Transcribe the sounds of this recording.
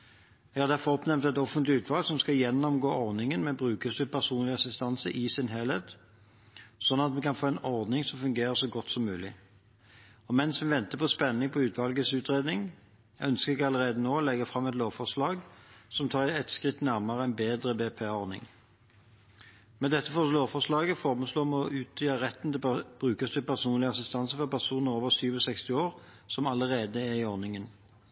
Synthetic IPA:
jɛɡhɑʁd̪æʁfɔɔpnɛmnt̪æt̪ɔfənt̪lɪʉːt̪ʋɑlɡsɔmskɑjɛnːɔmɡoːɔʁnɪŋənmɛbʁʉːkəsəpʰæʁsuːnlɪɑsɪst̪ɑnsəʔɪsɪnɦelheːt̪ | sɔnːɑt̪mɛkʰɑnfoːæɪnɔʁd̪nɪŋsɔmfʉŋɡeːɾəsɔɡɔt̪ːsɔmːʉːlɪ | ɔmɛnsʋɛʋɛnt̪əpʰɔspɛnːɪŋpʰɔʉːt̪ʋɑlɡəsʉːt̪ʁeːd̪nɪŋ | œnskəʁɛkɑləʁeːd̪ənoːlɛɡəfʁɑmːɛt̪loːʋfɔʁʂlɑːɡsɔmt̪ʰɑːʁɛt̪skʁɪt̪ːnæʁmɑʁəæɪnbeːd̪ʁəbeːpʰeːɔʁnɪ̰ŋ | mɛd̪ɛt̪ːəfɔloːʋfɔʁʂlɑːɡəfɔːʁmənsloːmɛɔʔʉːt̪yːɑʁɛt̪ːn̩t̪ɛb̥ʁʉːkəst̪ɪpæʁsuːnlɪəɑsɪst̪ɑnsəfɔʁpæʁsuːnəʁoːʋəsyːʋɔsɛkst̪ɪoːʁ | sɔmɑləʁeːd̪əæʁɪɔʁnɪŋən

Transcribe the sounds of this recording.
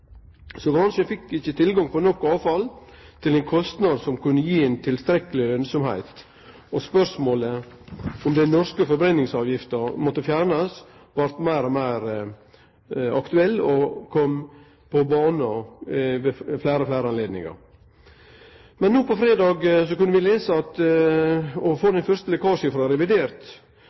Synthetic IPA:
sɔɡɾɑnʂəfɪkːɪçːət̪ʰɪlɡɑŋpɔnɔkːɑːʋfɑlt̪ʰɪlɛnkʰɔst̪nɑd̪sɔmkʉnːəjiːɛɪnt̪ʰɪlst̪ɾɛkːəlɪɾœnsɔmhæ̰ɪt̪ | ɔspœʂmoːlə | ɔmd̪ɛnnɔskəfɔɾbɾɛnːɪŋsɑːʋjɪft̪əɾmɔt̪ːəfjæːɾnɑs | ʋɑɾt̪mæɪɾɔmæɪɾ | ɑkt̪ʉɛlːɔkʰɔm | pʰɔbɑːnɔʋɛflæɪɾəflæɪɾəɑnleːd̪nɪ̰ŋɑ̰ɾ | mɛnːuːpɔfɾeːd̪ɑːɡsɔkʉnːəʋɪleːsəɑt̪ | ɔfoːd̪ɛnfœɾst̪əlɛkɑːʂəfɾɑɾɛʋɪd̪eːɾt̪

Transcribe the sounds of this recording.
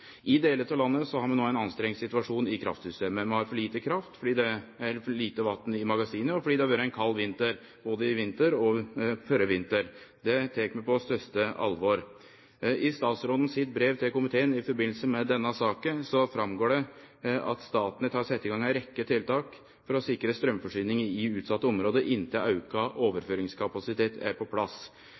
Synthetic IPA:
ʔɪd̪eːlət̪ʰɑʋlɑnːəsɔhɑɾmɑnoːæɪnɑnst̪ɾɛŋːɪsɪt̪ʉɑʂuːnɪkʰɾɑ̰ft̪sʏst̪eːməmɛhɑɾfɔɭiːt̪əkʰɾɑft̪fɔɖiːd̪ɛæɾliːt̪əʋɑt̪ːnɪmɑɡɑsiːnəɔfɔɖiːd̪ɛhɑʋæːɾəæɪnkʰɑlːʋɪnt̪əɾ | b̥oːd̪əɪʋɪnt̪əɾɔfœɾəʋɪnt̪əɾd̪ɛt̪ʰeːkmɛpɔst̪œst̪əʔɑ̰lʋɔɾ | ʔɪst̪ɑːt̪sɾɔd̪ən̩sɪt̪̚bɾeːʋt̪ʰɪlkʊmɪt̪ʰeːənɪfɔɾbɪnl̩səmɛd̪ɛnːɑsɑːkəsɔfɾɑmɡoːɖɛ | ɑ̰t̪st̪ɑːt̪ənət̪ʰɑːɾsɛt̪ːɪɡɑŋæɪɾɛkːət̪ʰɪlt̪ɑːk | fɔɾɔsɪkɾəst̪ɾœmfɔʂyːnɪŋəɪʉːt̪sɑt̪ːəɔmɾoːd̪əʔɪnt̪ɪlʔɑʉkɑʔoːʋəɾføːɾɪŋskʰɑpɑsɪt̪ʰeːt̪ʰæ̰ɾpʰɔpʰlɑs

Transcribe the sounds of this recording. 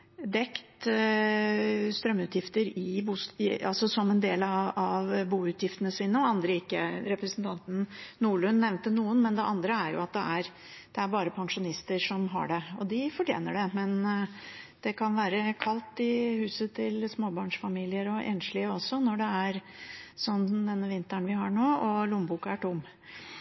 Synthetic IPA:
d̪ɛkt̪ | st̪ɾœmːʉːt̪jɪft̪əɾɪbuːsɑlsɔsɔmɛnd̪eːlɑɑʋbuːʉt̪jɪft̪ənəsiːnəɔɑnd̪ɾəɪkːəɾɛpɾəsnt̪ʰɑnt̪n̩nuːɭʉnːɛʋnt̪ənuːənmɛnd̪ɛʔɑnd̪ɾəæɾjʊ̰ɑt̪̚d̪ɛ̰æɾ | d̪̥ɛæɾbɑːɾəpʰɑŋʂʊnɪst̪əɾʂɔmɦɑ̰ɖɛɔd̪ɪfɔʈʰjḛːnəɖɛmɛn | d̪̥ɛkʰɑnʋæːɾəkʰɑlt̪ɪhʉːsət̪ʰɪlsmoːbɑːɳʂfɑmiːlɪəɾɔʔḛːnʂɭɪəɔsːɔnɔɖɛæɾsɔnːmd̪ɛnːəʋɪnt̪əɳʋɪɦɑɳoːɔlʊmbuːkəæʈʊm

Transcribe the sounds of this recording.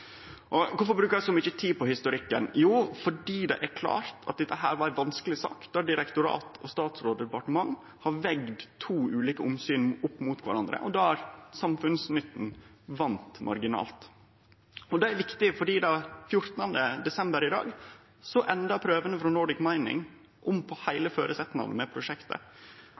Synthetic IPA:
ʔɔkʊfɔɾbɾʉːkəɾd̪sɔmʏçːət̪ʰiːpɔhɪst̪ʊɾɪkːənjuːfɔɖiːd̪ɛ̰ʔæɾkʰlɑ̰ːɾt̪ʰɑ̰t̪̚d̪ɛt̪ːəɦæ̰ːɾʋɑɾæʋɑnskəlɪsɑ̰ːkd̪̥ɑɖɪɾɛkt̪ʊɾɑ̰ːt̪ʰɔst̪ɑːt̪sɾoːd̪əd̪ɛpɑʈəmɑŋː | hɑɾʋɛɡd̪t̪ʰːuːʉːliːkəʊmsyːnʊpːmuːt̪ʋɑ̰ɾɑnd̪ɾə̰ʔɔd̪ɑːæɾsɑmfʉnsnʏt̪ːn̩ʋɑnt̪mʔɑ̰ɾɡɪnɑ̰ːlt̪ | ɔd̪ɛæɾʋɪkt̪ɪfɔɖiːd̪ɑːfjʊɾt̪nɑnd̪əd̪ɛsɛmbəɾɪd̪ɑ̰ːɡ | sɔʔɛnd̪ɑpʰɾøːʋənəfɾɔnɔɖɪkmæɪnɪ̰ŋ | ʔɔmpʰɔhæɪləføːɾʔəsɛt̪ːnɑ̰nmɛpʰɾʊʂɛkt̪ə̰

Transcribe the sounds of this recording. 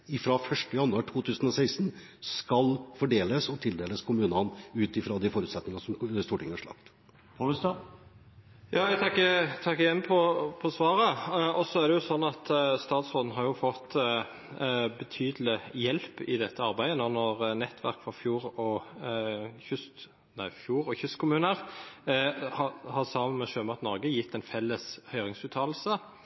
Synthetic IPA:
ɪfɾɑfœʂʈəjɑnːʉɑʈʰuːt̪ʰʉːsn̩ɔsæɪsn | skɑlfɔɖeːləsɔt̪ʰɪld̪eːləskʰʊmʉːnɑnʉːt̪ɪfɾɑd̪ɪfɔɾʉt̪sɛt̪nɪŋɑsɔmst̪uːʈɪŋːəhɑʂɭɑ̰pt̪ | pʰoəst̪ɑ | jɑːɛt̪ʰɑkːət̪ʰɑkːəɪjɛnːpʰɔpʰɔsʋɑːɾəɔsːɔæɾd̪ɛjʊsɔnːɑt̪st̪ɑːt̪sʁoːn̩ɦɑɾjʊfɔt̪ː | bət̪ʰyːd̪l̩ɪjɛlpɪ̰d̪ɛt̪ʰːəɑɾbæɪd̪ənɔnɔʁnɛt̪ʰːʋæ̰ʁkfɔfjuːɾɔ | çʏst̪ | næɪfjuːɾɔçʏst̪kʰʊmʉːnəʁ | hɑhɑʁsɑːmənmɛʃøːmɑt̪nɔɾɡəjɪt̪ʰːɛnfɛlːəshœʏʁɪŋsʉːt̪ʰɑːl̩sə

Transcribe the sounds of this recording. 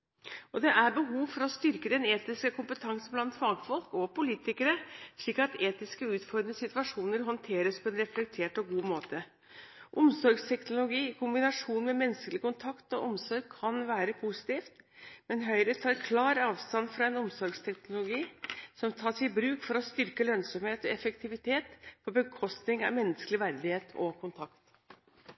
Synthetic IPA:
ɔd̪ɛʔæɾbəɦuːʋfɔɾɔst̪ʏɾkəd̪ɛneːt̪ɪskəkʰʊmpət̪ʰɑŋsn̩blɑnt̪fɑɡfɔlkɔpʊliːt̪ɪkəɾəsɭiːkɑt̪eːt̪ɪskəʉːt̪fɔɾnəsɪt̪ʉɑʂuːnəɾɦɔnt̪ʰeːɾəspʰɔɛnɾɛflɛk̚t̪ʰeːʈɔɡuːmoːt̪ə | ʔʊmsɔɾɡst̪ʰɛknʊlʊɡiːɪkʰʊmbɪnɑʂuːnmɛmɛnːskəlɪkʊnt̪ʰɑkt̪ɔʔɔmsɔɾɡ̚kʰɑnʋæːɾəpʰusɪ̥t̪iːft̪mɛnɦœʏɾət̪ʰɑːɾkʰlɑːɾɑːʋst̪ɑnfɾɑɛnʊmsɔɾɡst̪ʰɛknʊlʊɡiːsɔmt̪ʰɑːʂɪbɾʉːkfɔɾɔst̪ʏɾkəlœnsɔmheːt̪ɔɛfəkt̪ʰɪʋɪt̪ʰeːt̪pʰɔbəkʰɔst̪nɪŋɑ̰ʋmɛnːəskəlɪʋæɾd̪ɪheːt̪ʰɔ̰kʰʊnt̪ʰɑkt̪

